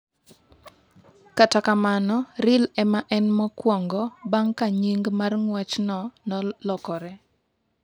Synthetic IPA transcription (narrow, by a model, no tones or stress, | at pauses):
katakamanɔɾɪlɛmaʔɛnmɔkwɔŋɡɔbaŋkaɲiŋɡmarŋwɛt͡ʃnɔnɔlɔkɔɾɛ